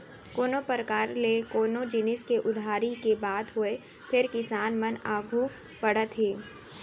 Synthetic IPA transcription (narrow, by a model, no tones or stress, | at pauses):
koːnopəɾəkaːɾlekoːnod͡ʒɪnɪskeʔʊd̪ʱaːɾikebaːd̪ɦʊe | pʰɪɾkɪsaːnmənaːɡʱu | pɐɽət̪ɦeː